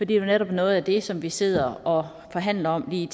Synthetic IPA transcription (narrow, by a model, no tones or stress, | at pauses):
fɒd̥ḭːd̥e̝neɾɒ̽b̥ænɔ̽ːð̞̩ˠæd̥e̝sɒ̽mʋise̝ð̞̰ˠɐɒ̽ | fɒ̽ɦæn̰lɐɒ̽mliːt͡sʰ